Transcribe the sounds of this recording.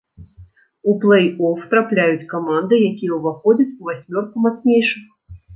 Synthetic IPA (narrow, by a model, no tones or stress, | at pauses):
uplˠɛjɔft̪ɾaplʲajut͡sʲkamand̪ɨjakʲijɛwuvaxɔd͡zʲɐt͡sʲuvasʲmʲɔrkumat̪snʲejʂɨx